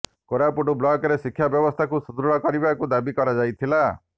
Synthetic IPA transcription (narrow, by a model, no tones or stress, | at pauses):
koɾapuʈublɔkɔɾesikʰːjabjɔbɔst̪ʰakusud̪ɾuɽɔkɔɾibakud̪abikɔɾad͡ʒajt̪ʰila